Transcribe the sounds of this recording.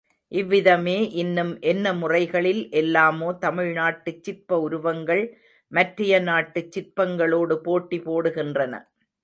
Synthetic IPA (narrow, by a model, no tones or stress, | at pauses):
ʔɪʋːɪðɐmeːʔɪnːɯmʔɛnːɐmʊrɐɪɣɐɭɪlʔɛlːaːmoːt̪ɐmɪɻnaːʈːɯt͡ʃːɪɾpːɐʊɾʊʋɐŋɡɐɭ | mɐʈrɪjɐnaːʈːɯt͡ʃːɪrpːɐŋɡɐɭoːɽɯpoːʈːipoːɽɯɣɪndrɐnɐ̰